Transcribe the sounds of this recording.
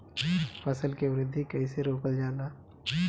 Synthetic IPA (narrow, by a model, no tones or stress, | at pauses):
fɐsəlkeʋɾɪd̪ʱːikɐiseɾoːkəld͡ʒaːna